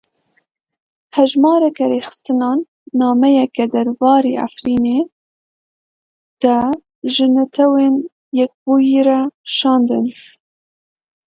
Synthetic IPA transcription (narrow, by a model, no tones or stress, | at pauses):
hɛʒmɑːɾɛkɛɾeːxɨ̥st̪ɨnɑːnː | ɑːmɛjɛkɛd̪ɐɾbɑːɾeʔa̰fɾiːne | d̪̥ɑ | ʒɨnɛt̪ʰɛwen | jɛk̚buːjiɾɑʃɑːnd̪ɨ̰n